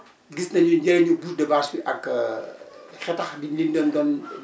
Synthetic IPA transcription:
ɡisnɐɲuɟɛɲubutdɐbaːswiʔɐk | xɛtɐxbinlindɔndɔn

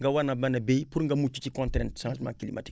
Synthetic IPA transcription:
ŋ̩ɡawanabanabepuɾŋ̩ɡamut͡ʃit͡ʃikɔ̃ntɾɛ̃ntʃãsmã̰ŋkilḭma̰ti

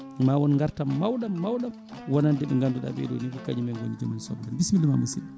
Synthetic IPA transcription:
mawɔnŋɡaɾtamːawɗamːawɗam | wɔnandɛɓɛŋɡanduɗa̰ɓɛ̰do̰nikɔkad͡ʒimɛŋɡo̰nid͡ʒɔmansɔ̰bɔɡanbismilːumamasḭɗi

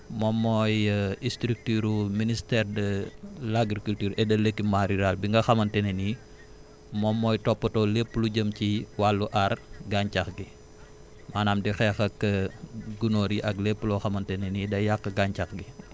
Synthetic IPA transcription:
mɔmːɔːjistɾik̚tyɾuministɛrdəlaɡɾikultyːɾɛdɐləkːimaɾiɾalbiŋɡɐxɐmɐntɛneni | mɔmːɔːjtɔpːɐtɔːlepːəluɟəmciwalːuʔɐrɡaɲcaxɡi | maːnamdixɛxɐkːəɡunoːɾiʔɐklepːəlɔxɐmɐntɛnenidɐjakːɐɡaɲcaxɡi

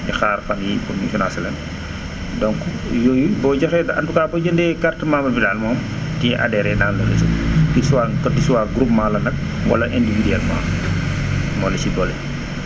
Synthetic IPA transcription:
ɲixaːɾxɐmjifunmifunasɛlɛn | dɔŋk | jɔjubɔɟɐxɛdɐʔɐntukaːbɔd͡ʒəndɛkartmaːmɐbidalmɔːmtiɛʔa̰dɛɾɛnaːnlɐləsitisuwaːkɐdisuwaːɡɾupmaːlɐnɐk̚ | ŋɡɔ̰lɐʔɛndividiɛlma̰ːm | mɔlɐsibɔlɛ

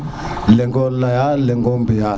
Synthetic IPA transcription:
lɛŋɡɔllajalɛŋɡɔmbia

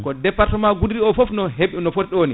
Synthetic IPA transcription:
kɔdɛpːaɾtɛmaɡudiɾiɔfofnɔɦeɓinɔfotɛɗoːni

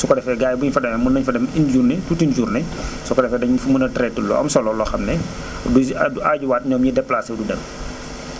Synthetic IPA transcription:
sɔkɔdɛfɛɡaːjbuɲfɐdɛmɛmunːɐɲfɐdɛmind͡ʒuːrnɛtutind͡ʒuːrnɛ | sɔkɔdɛfɛdɐɲfumunɐtɾɛtːulːɔ̰ɐ̰msɔlɔlɔxɐmnɛ | duuaːɟuwaːtɲɔːmjidɛpːlaːsɛdudɛm

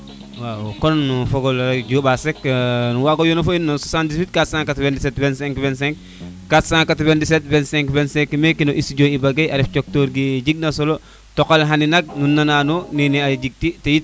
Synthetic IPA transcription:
wawokonːufoɡolɾɐɟobaseknuwaɡojonɐfoinːososandiswit̚katsãːŋkatvendisetvɛnsɛ̃ŋkvɛnsɛ̃ŋk | katsãŋkatvendis̬etvɛnsẽŋkvensɛ̃ŋkmekinoʔisiɟoibaɡejaɾift͡ʃok̚toːɾɡiɟiɡ̚nɐsolo | tokalɦaninɐɡ̚nunːananoniniaɟiɡ̚titejit̚

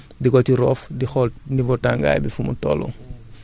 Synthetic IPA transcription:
diɡɔtiɾɔːfdixɔlnivɔtaŋɡa̰ːjbifumṵtɔ̰lɔ̰

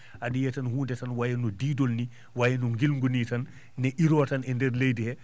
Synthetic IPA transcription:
ʔaɗijɛtanhuːndɛtanwajɛnɔdiːdolni | wajɛnɔŋɡilŋɡunitanː | ɛʔiɾɔːtanɛndɛɾlejdihɛ

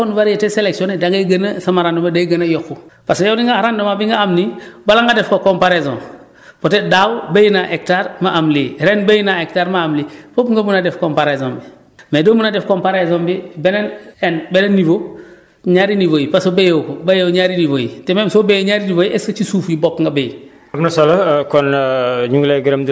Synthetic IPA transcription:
onivaɾjeteseleksionedaŋɡɐɡɐnɐsɐmaɾandomadajɡɐnajokːupasjowniŋɡaɾandomabiŋɡaamnibalaŋɡadɛfkokompaɾezo̰ːn | potedawbɐjinaʔek̚taɾmaʔamliɾɛnbɐjinaek̚taːɾmaːmlipopŋɡɐmunadɛfkompaɾezoːmbi | medomunadɛfkompaɾezɔːmbibɛnenɛnbɛnenːivo | ɲaːɾinivojipasobejokobɐjowɲaɾinivojḭtɛmemsobejɲaːɾinivojiʔesɐt͡ʃisuːfjibokŋɡabej | ɐmnɐsolɐkɔnɲuŋɡleɡiɾɐmd

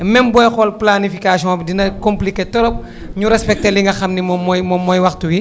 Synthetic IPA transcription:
mɛnbɔjxɔlplanifikasjɔ̃bdinɐkɔmpliketɔlɔp̚ | ɲuɾɛspɛk̚teliŋɡɐxɐmnimɔmːɔjmɔmːɔjwɐxtuwi

